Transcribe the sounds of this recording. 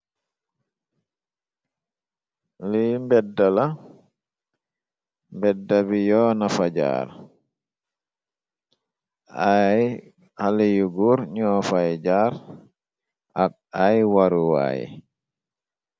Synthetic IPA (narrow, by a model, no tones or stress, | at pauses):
limbɛdala | mbɛdːaβijɔːnafad͡ʒa̰ɾ | aj | halijuɡuɾɲɔːfajd͡ʒaɾ | ʔak̚ | ajwaɾuwa̰jḭ